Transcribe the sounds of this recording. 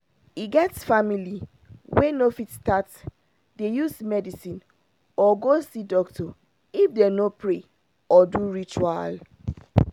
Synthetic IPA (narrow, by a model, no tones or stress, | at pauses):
iɡɛtsfamili | wenofitstat | dejusmɛdisĩn | ɔɡosidɔktʰɔ | ifdenopɹe | ɔduɹit͡ʃual